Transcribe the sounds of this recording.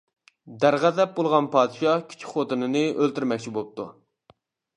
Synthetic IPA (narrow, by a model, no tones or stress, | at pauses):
d̪æɾʁæzɛp̚bolˠʁɑnpʰɑːd̪ɨʃɑkʲʰy̥t͡ʃʰi̥χot̪ɨnɨnɨʔølt̪yɾmɛk̚ʲt͡ʃʰibop̚t̪ʰṵ